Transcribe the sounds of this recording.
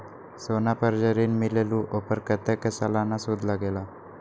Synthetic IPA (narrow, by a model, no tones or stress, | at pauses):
sonapəɾd͡ʑəɾiːnmileluʔopəɾkət̪ekəsalanasud̪ʱlaɡela